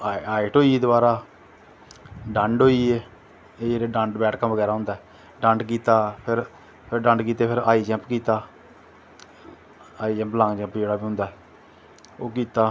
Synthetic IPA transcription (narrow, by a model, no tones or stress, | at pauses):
aːɪʈoːid̪obaːɾaː | ɖə̃ɳɖɦoːiːeː | eːd͡ʒeːɾeːɖə̃ɳɖbɛːʈkəmʋəɡɛːɾaːɦʊ̃nd̪aːɛː | ɖə̃ɳɖk̬iːt̪aːpʰɪɾ | pʰɪɾɖə̃ɳɖkiːt̪eːpʰɪɾaːiːd͡ʒɛ̃ːmpkiːt̪aː | aːiːd͡ʒɛ̃ːmplãːɡd͡ʒɛ̃ːmpd͡ʒeːɽaːbiːɦʊ̃nd̪aːɛː | oːkiːt̪aː